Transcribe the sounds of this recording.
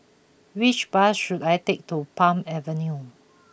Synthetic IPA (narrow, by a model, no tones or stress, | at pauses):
wit͡ʃbasʃudajtek̚tupãmɛvə̃nju